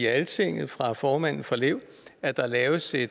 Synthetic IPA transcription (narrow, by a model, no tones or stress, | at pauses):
iælt͡sʰe̝ŋ̰ð̩ˠfʁɑ̈fɒːmæn̰n̩ˠfɒle̝ʊ̰ | æɐd̥ɑ̈lɛːʊəse̥